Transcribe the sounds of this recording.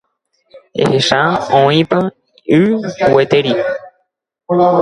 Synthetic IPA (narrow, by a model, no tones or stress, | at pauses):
ḛheʃaõĩpa | ɨwet̪eɾi